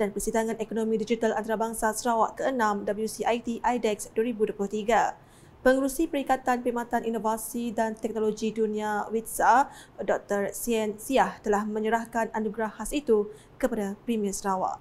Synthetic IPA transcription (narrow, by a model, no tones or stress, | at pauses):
d̥anpərsidaŋãnekonomĩdid͡ʒit̪alant̪aɾabaŋsasəɾawaʔkəənãmdabəljusiʔajt̪iʔajdɛksduaɾibuduəplʊht̪iɡa | pəŋəɾusipəɾikat̪anpimãt̪anʔinovasidant̪ɛk̚noloɡidunĩawit̪̚sadɔk̚t̪ərsiɛnsiaht̪əlahmə̃ɲəɾahkananuɡɾahasit̪u | kəpadapɾimiəsəɾawa̰ʔ